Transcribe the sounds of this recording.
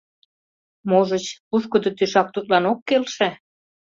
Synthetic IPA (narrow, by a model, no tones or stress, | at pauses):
moʒə̆t͡ɕpuʃkod̪ŏt̪yʃɑk̚t̪ut̪lɑnokːelʃæ